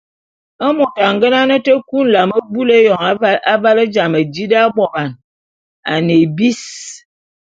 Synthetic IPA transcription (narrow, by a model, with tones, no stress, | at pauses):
ə˦mo˨ta˨ŋɡə˦na˦nə˦tə˦ku˦n̩˨la˨mə˦bu˦le˦jɔ˨ŋ˦a˦va˦lə˦d͡ʒa˨mə˨d͡ʒi˦da˦bɔ˨ba˨n | a˨ne˨bi˦s